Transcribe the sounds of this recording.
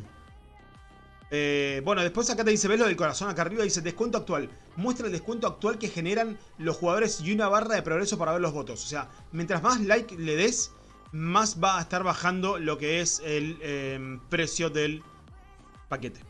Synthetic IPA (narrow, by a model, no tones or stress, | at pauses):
ebwe̞noðepwe̞sakat̪̬eis̬e̞βelo̞ðelko̞ɾaso̞nakarioðise̞d̪ehkwe̞nt̪oakt̪wal | mwe̞st̪ɾaeld̪ekwe̞nt̪oak̚t̪walke̞xe̞ne̞ɾan | lo̞sxuɣað̞o̞ɾe̞sjunaβ̞araðe̞pɾoɣ̞ɾeso̞paɾaβeɾlo̞ɦβo̞t̪ososea | mjent̪ɾazmaslajkleðes | masβaːest̪aɾβaxand̪o̞lo̞keeselepɾe̞sjo̞ðel | paket̪e̥